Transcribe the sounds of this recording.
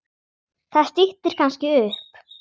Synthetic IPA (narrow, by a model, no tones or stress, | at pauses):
θaðst̪iht̪ɪɾ̥kʰanscɪʏhp